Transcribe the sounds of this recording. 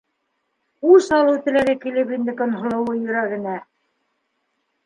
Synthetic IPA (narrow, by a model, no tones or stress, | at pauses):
usɑlˠɤut̪ɘ̆læɡɘkilɘpind̪ɘkŏnhŏlˠɤ̆wɤjɵ̆ɾæɡɘ̆næ